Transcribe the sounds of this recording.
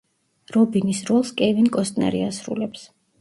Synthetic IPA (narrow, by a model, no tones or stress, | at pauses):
ɾɔbinisɾɔlˠskʼɛvinkʼɔst̪ʼna̰ɾḭasɾṵlɛps